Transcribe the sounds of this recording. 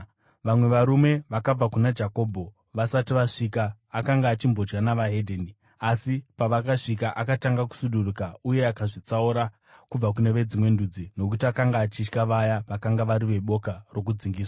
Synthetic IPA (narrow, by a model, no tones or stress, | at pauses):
ʋamwe̞ʋaɾume̞ʋakab͡vakunad͡ʒako̞ːbʱo̞ | ʋasatiʋaʂikaː | kaŋɡaːt͡ʃimbo̞d͡ʒɡanaʋaɦedʱeːni | asipaʋakaʂikaʔakataŋɡaku̥suɗurukauje̞akaʐit͡sauɾa | kub͡vakune̞ʋe̞d͡zimwe̞ndud͡zino̞k̬utiakaŋɡaːt͡ʃit͡ʃkaʋajaʋakaŋɡaʋaɾiʋe̞ɓo̞karo̞k̬ud͡ziŋɡiːswḁ